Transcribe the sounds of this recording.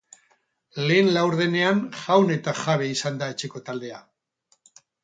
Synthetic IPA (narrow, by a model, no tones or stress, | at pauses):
le̞ːnlawɾðe̞ne̞anxawne̞t̪aʝaβe̞isand̪ae̞t͡ʃe̞ko̞t̪ald̪e̞a